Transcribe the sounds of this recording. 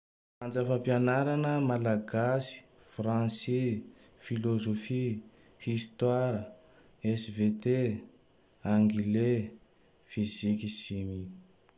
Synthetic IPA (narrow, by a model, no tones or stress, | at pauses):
and͡zəfampianaɾanəmalaɡasi̥ | frãnsifilozofi | hist̪waɾə | ɛsvet̪e | aŋɡile | fizikisimi